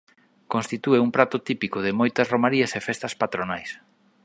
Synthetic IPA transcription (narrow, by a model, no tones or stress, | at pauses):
kõnst̪it̪ueuŋpɾat̪ʊt̪ipikʊðɪmojt̪ɐsromaɾiɐsefest̪ɐspat̪ɾonajs